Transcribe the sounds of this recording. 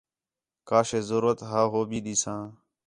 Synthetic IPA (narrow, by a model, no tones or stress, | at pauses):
kaːʃeːzəɾuːət̪ɦaːɦoːbiːɗ̪iːsãː